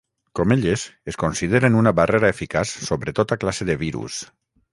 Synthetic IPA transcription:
komeʎezeskonsiðeɾenunaβareɾaefikasːoβɾet̪ot̪aklaseðeβiɾṵs

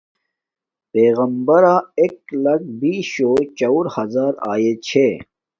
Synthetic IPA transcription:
peːɣɐmbɐɾaːeklɐk̚biːɕoːt͡ɕɐwɾhɐzaːɾa̰ːjet͡ɕʰe

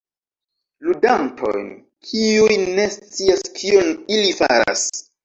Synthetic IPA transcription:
ludantʰo̞̰jn | kʰiujne̞st͡siaskʰionilifa̰ɾa̰s

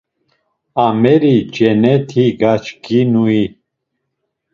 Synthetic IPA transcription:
amɛɾid͡ʒɛnɛt̪ʰiɡat͡ʃkinui

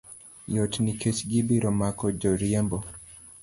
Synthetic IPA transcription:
jɔtniket͡ʃɡibiɾɔmakɔd͡ʒɔɾjɛmbɔ

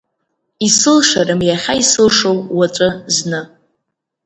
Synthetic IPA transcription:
isɨlʂaɾɨmjaχʲaisɨlʂowwat͡ʃʷʼɨznɨ

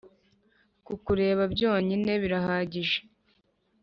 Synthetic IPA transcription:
kukuɾe̞ːβabɟo̞ːɲine̞βiɾaɦaːɟiʒe

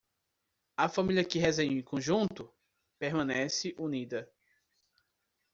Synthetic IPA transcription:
ɐfɐ̃milʲjɐkɪɦɛzẽɲ̃ẽkõʒũt̪ʊ | peɾmɐ̃nɛsɪʔunid̪ɐ

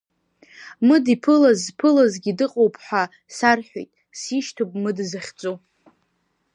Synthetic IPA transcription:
mɨdipʰɨlazpʰɨlazɡʲidɨqʼowpʰħʷᶣa | sarħʷᶣḛjtʼ | siʃtʰopʼmɨdzaχʲt͡sʼo

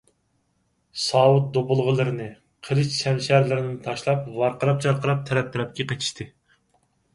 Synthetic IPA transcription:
sɑːwʊt̪̚d̪opʊlˠʁəlˠɨɾɨnɨ | qʰəɾɨt͡ʃʃɛmʃæɾlɪɾɪnɪnɪt̪ʰɑʃlˠɑp̚vɑɾqəɾɑp̚t͡ʃʰɑɾqəɾɑp̚t̪ʰɛɾɛp̚t̪ʰɪɾɛp̚kʲɛqʰet͡ʃ̪ʰi̥ʃt̪ʰɨ

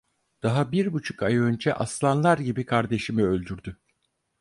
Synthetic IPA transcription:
d̪̥aɦabiɾbut͡ʃʰu̥kajønd͡ʒɛʔaslˠanlˠaɾɟibikʰaɾd̪e̞ʃimiø̞lʲd̪yɾd̪y

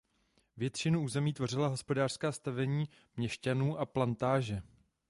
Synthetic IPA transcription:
vjɛt̪t͡ʃɪnuʔuːzɛmiːt̪vo̞r̝ɪlaɦo̞spo̞daːr̥skaːst̪avɛɲiː | mɲɛʃcanuːʔaplant̪aːʒɛ

